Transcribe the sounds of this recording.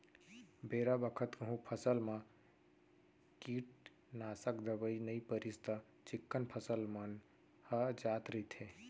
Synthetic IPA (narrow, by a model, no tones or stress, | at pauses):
beːɾabəkʰət̪kəɦũpʰəsəlmã | kiːʈ̚ | naːsəkd̪əbəinəipəɾist̪ə | t͡ʃɪkːənpʰəsəlmən | həd͡ʒaːt̪ɾəit̪ʰe